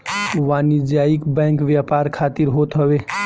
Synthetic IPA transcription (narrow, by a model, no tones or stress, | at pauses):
ʋaniɾd͡ʒaikbɛ̃ŋkʋjapaɾkʰat̪iɾɦot̪ɦəbe